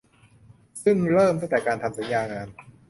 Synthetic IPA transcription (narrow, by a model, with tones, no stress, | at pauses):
sɯ˥˩ŋɾɤː˥˩mt̪a˥˩˨t̪ɛː˨˩kaː˧nt̪ʰa˧msa˩˦njaː˧ŋaː˧n